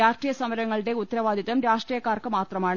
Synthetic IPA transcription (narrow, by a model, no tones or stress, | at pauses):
aːʂʈrijɐsɐmɐɾɐŋːɐɭɨɽe̞ut̪ːɐɾɐʋaːd̪ʱiðɐmɾaːʂʈriːjɐkːaːrkɨmaːt̪rɐmaːɳ